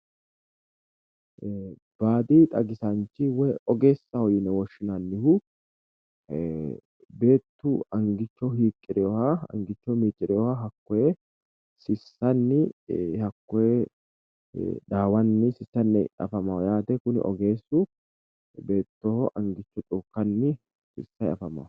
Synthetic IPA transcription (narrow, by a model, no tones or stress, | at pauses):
b̥aːd̪iːt̪ʼɐɡɪsɐnt͡ʃːɪwɛʔɔɡe̞ːsːɐhɔjɪnɛwɔʃːɪnanːɪhʊ | be̞ːt̪ːuɐŋɡɪt͡ʃːɔhiːkʼːɪɾɪjɔhaɐ̰ŋɡɪt͡ʃːɔmiːt͡ʃʼːɪɾɪjɔhaɦɐkːɔjɛ | sɪsːɐnːɪhɐkːɔe | ᶑ̪aːwɐnːɪsɪsːɐnːɛɐ̰fɐmaːjaːt̪ɛkʊnɪ̰ʔɔ̰ɡe̞ːsːu | be̞ːt̪ːɔhɔʔɐŋɡɪt͡ʃːɔt̪ʼukːɐnːɪ | sɪ̰sːɐjɐ̰fɐma̰ː